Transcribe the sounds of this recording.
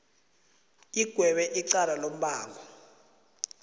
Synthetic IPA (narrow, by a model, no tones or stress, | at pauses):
iɡ̥ʱwɛɓɛʔiǀalalom̩ɓaːŋɡɔ